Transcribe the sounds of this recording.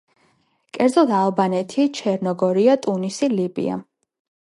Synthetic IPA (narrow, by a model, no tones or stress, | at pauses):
kʼɛɾd̪zɔlˠd̪alˠbanɛt̪ʰit͡ʃʰɛɾnɔɡɔɾiat̪ʼunisilibḭa̰